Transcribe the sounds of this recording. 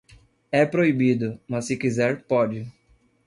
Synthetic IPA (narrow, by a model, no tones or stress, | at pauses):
ɛpɾoibid̪ʊmɐsːɪkizɛɾpɔd͡ʒɪ